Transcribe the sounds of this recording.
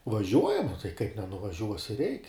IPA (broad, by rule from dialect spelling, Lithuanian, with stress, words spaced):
ʋɐˈʒʲuɔjɛm oː tɐɪ kɐɪp nʲɛnʊʋɐˈʒʲuɔsʲɪ rʲɛɪkʲ